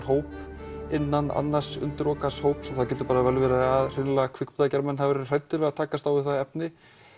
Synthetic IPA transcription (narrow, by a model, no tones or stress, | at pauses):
ɦoːwp | ɪnːana̰nːar̥sʏ̰nt̪ɪɾɔːkashoːwpsɛmθawcɛːt̪ʏ̥paːɾavɛlvɪɾaaðr̥ɪnlakʰvɪkpʏt̪acaɾmɛnhavɛɾɛɾr̥ajt̪ːʏɾvɛɣðat̪ʰaːkast̪awɪ̥θaðɛp̚nɪ